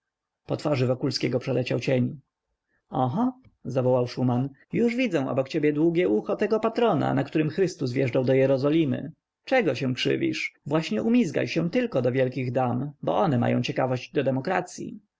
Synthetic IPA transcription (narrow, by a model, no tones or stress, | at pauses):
pɔt̪faʐɘvɔkulskʲɛɡɔpʂɛlɛt͡ɕawt͡ɕeɲ | ɔɦɔ | zavɔwawʂuman | juʐvʲid̪zɛ̃w̃ʔɔ̰bɔkt͡ɕebʲjɛd̪wuɡʲɛʔuxɔt̪ɛɡɔpat̪ɾɔna̰nakt̪uɾɘmxɾɘst̪usvʲjɛʐdawd̪ɔjɛɾɔzɔlʲimɘ̰ | t͡ʂɛɡɔɕɛ̃w̃kʂɘ̰vʲḭʂvwaɕɲɛʔumʲizɡa̰jɕɛ̃t̪ɘlkɔd̪ɔvʲjɛlkʲiɣd̪ambɔ̰ʔɔnɛma̰jɔ̰̃w̃t͡ɕɛkavɔɕd͡ʑd̪ɔd̪ɛmɔkɾat̪sʲjḭ